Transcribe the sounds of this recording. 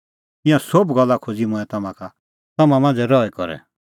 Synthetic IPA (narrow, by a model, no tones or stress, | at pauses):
ɪ̃jãsobɡɔlːakʰod͡zimʊ̃ɛ̃t̪ɐmãkʰa | t̪ɐmãmãːnd͡zɛɾɔɛkɔɾɛ̰